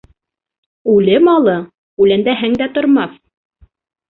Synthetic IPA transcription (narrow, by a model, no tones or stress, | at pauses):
ʉlɘmɑlˠɤ | ʉlænd̪æɦɘŋd̪æt̪ŏɾmɑθ